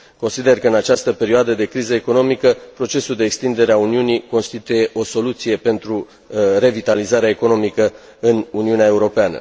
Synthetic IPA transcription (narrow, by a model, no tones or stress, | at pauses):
ko̞nsid̪e̞rkəɨnat͡ʃast̪əpe̞ɾioad̪əd̪e̞kɾizəeko̞no̞mikəpɾo̞t͡ʃe̞suld̪e̞ːkst̪ind̪e̞ɾeauniuniko̞nst̪it̪uje̞ʔo̞so̞lut̪sije̞pe̞nt̪ɾu | re̞vit̪alizaɾeaeko̞no̞mikə | ɨnuniuneae̞uɾo̞peanə̰